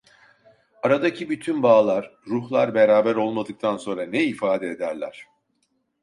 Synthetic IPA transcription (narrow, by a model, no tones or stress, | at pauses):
aɾad̪acʰibyt̪ʰynbaːlˠaɾ̥ːuhlˠaɾbeɾaːbæɾo̞lˠmad̪ɯk̚t̪ʰanso̞nɾanɛifaːd̪ɛed̪æɾlʲæ̰ɾ̝̥